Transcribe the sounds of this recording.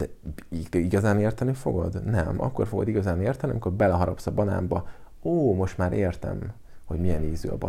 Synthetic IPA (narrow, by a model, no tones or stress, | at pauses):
d̪ɛiiɡɒzaːneːrt̪ɛnifo̞̰ɡo̰d̪nɛmɒ̰kːo̞rfo̞ɡod̪iɡɒzaːneːrt̪ɛniɒmiko̞rbɛlɛɦɒɾɒpsɒbɒna̰ːmbɒ | oːmo̞ʃt̪maːɾʔeːrt̪ɛ̰m | ho̞ɟmijɛneːzø̰ːɒ̰bɒ̰